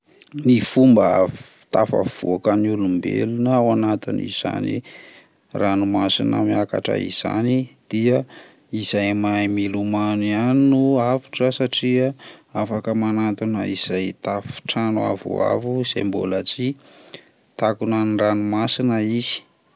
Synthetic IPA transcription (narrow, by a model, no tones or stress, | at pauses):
nifumbə̥ | t̪afa̰v̥ṵakanulumbḛlunəwanat̪inḭz̥a̰nḭ | ranumasinə̰miaka̰ʈ͡ʂa̰ḭz̥a̰nid̪̥ia | izajmajmilumanianinuavi̥ʈ͡ʂasaʈ͡ʂiaafakəmanat̪unəiz̥ajt̪afi̥ʈ͡ʂanua̰vṵa̰vuiz̥a̰jmbo̰lat͡si | t̪akunaniranumasinəiz̥i̥